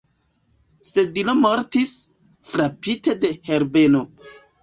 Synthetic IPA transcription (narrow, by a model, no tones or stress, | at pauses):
sedilomoɾtis | fɾapite̞de̞heɾbeno